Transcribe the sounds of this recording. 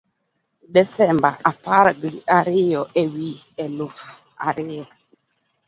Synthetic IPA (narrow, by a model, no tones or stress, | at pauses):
dɛsɛmbaʔapaɾɡiaɾɪjɔʔewi | ɛlufa̰ɾɪa